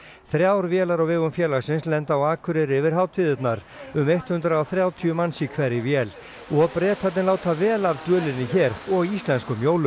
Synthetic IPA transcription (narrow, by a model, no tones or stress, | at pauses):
θɾjawɾvjɛːlaɾawvɪːɣʏmfjɛːlaɣsɪnslɛnt̪awaːkʰʏɾɪɾɪvɪɾ̥ɦaːwt̪ʰiːðɪt̪naɾ̥ | ʏmejht̪hʏnt̪ɾaawθɾjaːwt̪ʰyʏmansikʰvɛɾɪvjɛːl | ɔpɾɛːt̪ʰat̪nɪlaːwt̪ʰavɛːlavt̪œːlɪnːɪçɛːɾɔɣist̪lɛnskʏmjoːwlʏ